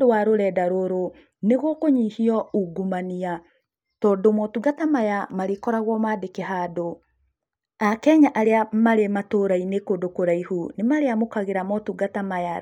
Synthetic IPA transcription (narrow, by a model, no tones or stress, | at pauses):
dowaɾoɾɛdaɾoɾo | neɣɔkoɲihiɔuɡumania | tɔːndomɔtuɡatamajamaɾekɔɾaɣwɔmaːdekeɦado | akɛɲaʔaɾeamaɾematoɾainekodokoɾaihunemaɾeamokaɣeɾamɔtuɡatamaja